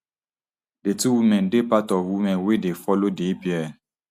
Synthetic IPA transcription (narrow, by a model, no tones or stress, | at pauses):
detuwimɛ̃ndepatɔfwimɛ̃nwedefɔlodepiɛ